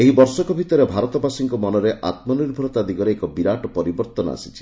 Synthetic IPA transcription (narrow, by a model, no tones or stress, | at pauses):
eɦibɔɾsɔkɔbʱit̪ɔɾebʱaɾɔt̪ɔbasiŋkɔmɔnɔɾeʔʔa̰t̪mɔniɾbʱɔɾɔt̪ad̪iɡɔɾeekɔbiɾaʈɔpɔɾibɔɾt̪ɔnɔa̰si̥t͡ʃʰi̥